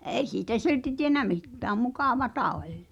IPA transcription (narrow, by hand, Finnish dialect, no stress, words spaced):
e̞i siːtæ silti tienæ mitːæːm mukɑˑʋɑtɑ olʲ